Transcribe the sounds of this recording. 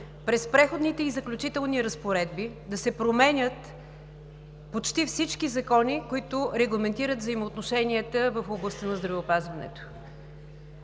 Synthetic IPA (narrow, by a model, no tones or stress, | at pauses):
pɾɛspɾɛxod̪nit̪ɛizɐklʲut͡ʃit̪ɛlˠniɾəspoɾɛd̪bid̪ɐsɛpɾomɛnʲət̪ | pot͡ʃt̪ifsit͡ʃkizɐkɔnikoit̪ʊɾɛɡlˠɐmɛnt̪iɾət̪vzəimoːt̪noʃɛniət̪əvəfoblˠɐst̪ənɐzd̪ɾɐvɛopazvɐnɛ̰t̪o̥